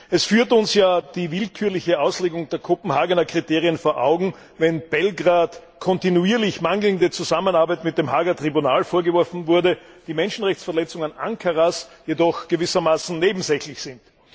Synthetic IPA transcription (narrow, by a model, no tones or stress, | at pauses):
ʔɛsfyːɐtʊnsjaːd̥iːvɪlkʰyːɐlɪçəaʊsleːɡʊŋdeːɐkʰopm̩haːɡənɐkʁ̥iteːʁiənfoːɐʔa̰ʊɡŋ̩ | vɛnb̥ɛlɡʁaːt | kʰɔntinuiːɐlɪçmaŋl̩ndət͡suzamənaɐbæɪtmɪt̚d̥emɦaːɡɐtʁ̥ibunaːlfoːɐɡəvɔɐfn̩vʊɐdə | d̥iːmɛnʃn̩ʁɛçt͡sfɛɐlɛt͡sʊŋənʔa̰ŋkʰɐʁasjedɔxɡ̥əvɪsɐmaːsn̩neːbm̩zɛçlɪçsɪnt